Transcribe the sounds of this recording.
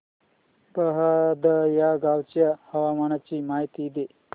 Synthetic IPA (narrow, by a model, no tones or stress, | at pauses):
pəɦad̪əjaɡawt͡ɕjahəʋamaɽ̃at͡ɕiːmaɦit̪id̪e